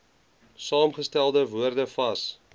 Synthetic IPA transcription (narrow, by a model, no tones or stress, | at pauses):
sɑːmχəstælˠdəvuərdəfɐs